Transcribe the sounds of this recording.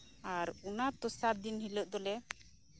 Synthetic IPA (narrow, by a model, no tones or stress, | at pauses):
aɾunat̪ɔsat̪̚d̪inɦiləʔ̚d̪ɔlɛ